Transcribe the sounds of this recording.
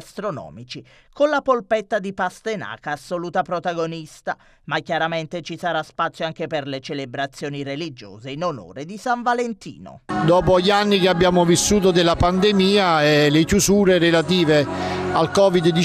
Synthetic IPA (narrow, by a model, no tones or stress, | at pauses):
st̪ɾonɔ̰ːmit͡ʃi | konlapolpɛt̪ːad̪ipast̪ena̰ːkaːsːoluːt̪apɾot̪aɡonist̪a | makːjaɾament̪et͡ʃisaɾaspat̪sjoaŋk̟eperlet͡ʃelebɾat̪sːjoːnirelid͡ʒo̰ːzeinono̰ːɾed̪isaɱvalent̪ḭːno̰d̪ɔːp̬oʎianːikeabːjaːmʊvisːuːt̪od̪elapand̪emiːaɛlekjuzuːɾeɾelat̪̬iːvealkɔːvid̪d̪i